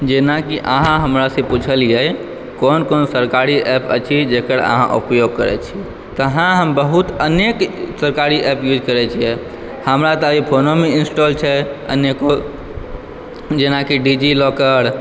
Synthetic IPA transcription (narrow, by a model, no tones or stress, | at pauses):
d͡ʒenakiʔaɦãɦəmɾasẽput͡ʃʰəlijɛ | konkonsəɾkaɾiʔɛpə̰t͡ʃʰid͡ʒekəɾə̰ɦã̰ʔṵpjoɡ̚kəɾɛ̰t͡ʃʰiɛ | t̪əɦãɦəmbəɦut̪əneksəɾkaɾiʔɛpjud͡ʒʱkəɾɛt͡ʃʰijɛ | həmɾat̪ɔipʰonomeinsʈolt͡ʃʰɛə̰njeko | d͡ʒenakiɖid͡ʒilɔkəɾ